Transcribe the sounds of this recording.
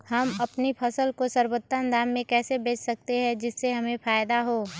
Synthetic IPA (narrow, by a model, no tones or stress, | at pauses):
hɐmɐpnipʰɐsəlkosɐɾwot̪ːənd̪aːmːẽkɛːsebeːt͡ʃʰsɐk̚t̪eɦɛ̃d͡ʒɪsːeɦɐmẽfaːjd̪aɦoː